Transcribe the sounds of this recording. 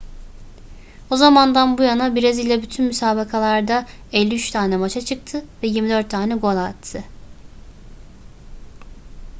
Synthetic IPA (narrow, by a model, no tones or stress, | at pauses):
ozamand̪anbujanabiɾazilʲɛbyt̪ʰynmysaːbakʰalˠaɾd̪a | ɛlʲːiyt͡ʃt̪ʰaːnɛmat͡ʃʰat͡ʃʰɯk̚t̪ʰɯvɛjiɾmid̪øɾt̪ʰːaːnɛɡo̞lˠat̪ʰːɯ